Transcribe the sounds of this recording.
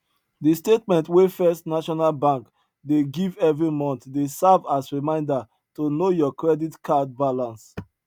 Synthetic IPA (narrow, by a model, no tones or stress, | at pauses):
distetmɛ̃ntwefɛstnaʃɔnalbãŋk | deɡivɛvɹimɔ̃ntdesavasɹimãɪ̃nda | tonojɔkɹɛditkad̚balãns